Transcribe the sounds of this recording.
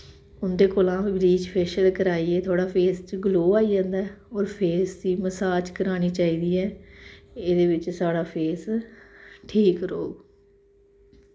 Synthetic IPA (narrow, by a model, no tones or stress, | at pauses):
ʊnd̪eːkoːlãːibɾiːt͡ʃpʰɛːʃəlkəɾaːiːeːt̪ʰoaːɽaːpʰeːst͡ʃɡloːaːiːd͡ʒãːnd̪aːɛɔːɾpʰeːsd̪iːməsaːd͡ʒkəɾaːñiːt͡ʃaːiːd̪iːɛː | eːd̪eːʋɪt͡ʃsaːɽaːpʰeːs | ʈʰiːkɾoːɡ